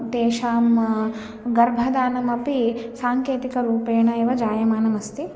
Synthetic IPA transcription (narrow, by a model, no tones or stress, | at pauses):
t̪eːʃaːm | ɡɐɾbʱɐd̪aːnɐmɐpisaːŋkeːt̪ikɐɾuːpeːɳɐeʋɐd͡ʒaːjɐmaːnɐmɐst̪i